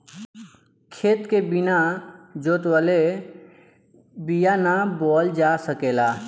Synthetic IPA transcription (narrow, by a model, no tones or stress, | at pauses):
kʰeːt̪kebɪnad͡ʒoːt̪wəle | bijanabɔːld͡ʒaːsəkeːlaː